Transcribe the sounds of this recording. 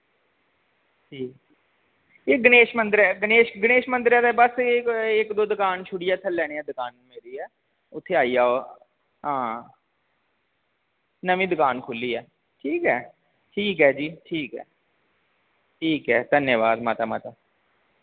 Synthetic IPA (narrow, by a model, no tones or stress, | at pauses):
d͡ʒiː | eːɡəneːʃmə̃nd̪əɾɛːɡəneːʃɡəneːʃmə̃nd̪əɾɛːd̪ɛːbəsɪkd̪oːd̪ʊkaːnt͡ʃʰʊɽɪjaːt̪ʰəlːɛːñeːɛːd̪ʊkaːnmeːɾiːɛː | ʊt̪ʰːeːaːiːaːoː | ɦãː | nəmĩːd̪ʊkaːnkʰʊlːiːɛː | ʈʰiːkɦɛː | ʈʰiːkɦɛːd͡ʒiːʈʰiːkɦɛ̰ː | ʈʰiːkɦɛ̰ːd̪ənjəʋaːd̪maːt̪aːma̰ːt̪aː